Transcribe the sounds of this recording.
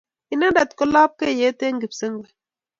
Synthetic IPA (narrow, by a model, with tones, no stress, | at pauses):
i˦na˦nda˨t̪ko˦la˦p̚ke˦˨je˦t̪e˦ŋɡi˨psə˦ŋɡe˨